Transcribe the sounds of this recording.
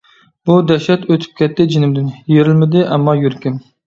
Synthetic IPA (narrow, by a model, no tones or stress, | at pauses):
bud̪ɛʃɛt̪øt̪ʰɪ̥p̚kʲʰɛt̪ʰːɪd͡ʒɪnɪmd̪ɪnjeɾɪlmɪd̪ɪʔɛmːɑjyɾkʲim